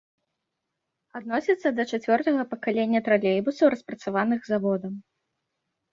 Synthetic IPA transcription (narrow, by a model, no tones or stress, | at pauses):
ad̪̚nɔsʲit̪sːɐd̪ɐt͡ʂat͡sʲvʲɔrt̪ɐɣɐpɐkalʲenʲːɐt̪ɾalʲɛjbusɐwɾɐspɾɐt̪savanɨɣzavɔd̪ɐm